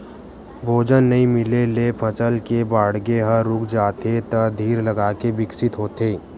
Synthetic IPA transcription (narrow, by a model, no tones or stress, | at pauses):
bʱoːd͡ʒənːɐɦĩmɪlelepʰət͡ʃəlkebaːɽɡeɦəɾʊkd͡ʒaːt̪et̪ɐd̪ʱiːɾlɐɡaːkebɪksɪt̪ɦoːt̪eː